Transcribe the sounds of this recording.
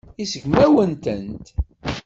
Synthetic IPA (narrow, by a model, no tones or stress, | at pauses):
isəʝmæwənt̪ənt̪